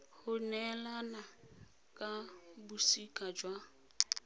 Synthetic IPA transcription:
hʊnɛlana | kʼabusikʼad͡ʒwa

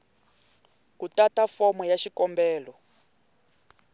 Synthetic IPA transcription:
kutatafɔmɔjaʃikɔmbɛːlɔ

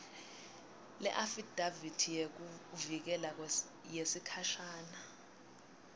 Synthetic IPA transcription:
lɛ̰ʔafid̥ʱavitʰijek̬uvik̬ɛla | jesikʰaʃaːna

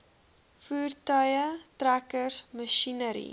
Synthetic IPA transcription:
fuːrtœjətrækəsməʃinəɾḭ

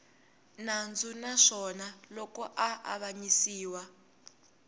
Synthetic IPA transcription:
nand͡zunaʂɔnalɔkɔʔaʔa̰βaɲisiːwa

